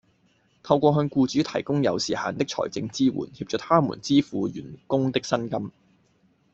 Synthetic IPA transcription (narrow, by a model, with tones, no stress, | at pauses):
t̪ʰɐ˧wkʷɔː˧ɦœː˧ŋkuː˧t͡ʃyː˨˥t̪ʰɐ˨˩jkʊ˥ŋjɐ˨˧wsiː˨˩ha̰ː˨˧nt̪ɪ˥k̚t͡ʃʰɔ̰ː˨˩jt͡sɪ˧ŋt͡siː˥wṵː˨˩nhiː˧p̚t͡ʃœː˨˩t̪ʰaː˥mṵ˨˩nt͡siː˥fuː˨˧jy̰ː˨˩nkʊ˥ŋt̪ɪ˥k̚sɐ˥nkɐ˥m